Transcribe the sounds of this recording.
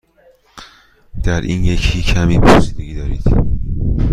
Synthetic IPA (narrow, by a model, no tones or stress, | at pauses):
d̪̥æɾʔḭːnjecʰiːcʰæmiːpʰosiːd̪eɡiːd̪ɒːɾid̪̥